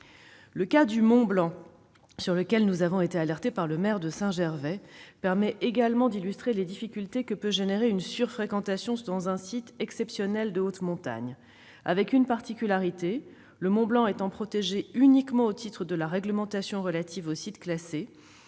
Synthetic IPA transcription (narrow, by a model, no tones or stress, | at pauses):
ləkad̪ymɔ̃blɑ̃ | syʁləkʲɛlnuzavɔ̃et̪ealɛʁt̪epaʁləmɛʁd̪əsɛ̃ʒɛʁvɛpɛʁmɛʔeɡalmɑ̃d̪ilyst̪χeled̪ifikʲylt̪ekəpøʒeneʁeynsyʁfχekɑ̃t̪asjɔ̃d̪ɑ̃zɛ̃sit̪ɛksɛpsjɔnɛld̪əot̪mɔ̃t̪a̰ɲ | a̰vɛkynpaʁt̪ikʲylaʁit̪e | ləmɔ̃blɑ̃et̪ɑ̃pχɔt̪eʒeynikmɑ̃ot̪ʰit̪χəd̪əlaʁɛɡləmɑ̃t̪asjɔ̃ʁəlat̪ʰivosit̪klase